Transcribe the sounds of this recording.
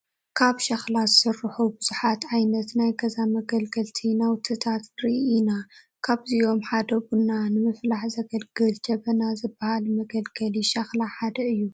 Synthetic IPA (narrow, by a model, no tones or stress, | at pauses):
kʰaβʃɐxlazɨsɨrːɨħubɨz̥uħat̪ʕajnɐt̪najɡɐzamɐɡɐlɡɐlt̪ʰinawt̪ʰɨt̪ʰat̪ɾiʔina | kʰaβzijo̞mħad̪ɐβunanɨmɨflaħzɐɡɐlɡɨlt͡ʃɐβɐnazɨbːahalmɐɡɐlɡɐliʃɐxlaħad̪ɐɨjːu